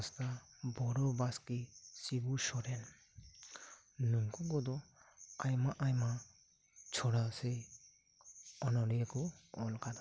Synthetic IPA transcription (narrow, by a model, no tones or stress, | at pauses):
st̪abɔɾɔbaskisibusɔɾɛn | nuŋkuɡɔd̪ɔajmaʔajma | t͡ʃʰɔɽase | ɔnɔɾijekɔɔlkad̪a